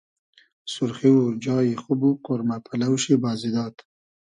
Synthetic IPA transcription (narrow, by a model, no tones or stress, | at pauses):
sʊɾχiwɾd͡ʒɑːjixʊbuqʊɾmapʰalawʃibɑːzid̪ɑːt̪